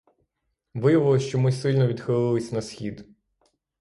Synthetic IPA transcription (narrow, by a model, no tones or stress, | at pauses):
ʋɪjɐʋɪlˠɔʃt͡ʃɔmɪsɪlʲnɔʋʲid̪xɪlˠɪlˠɪsʲnɐsxʲid̪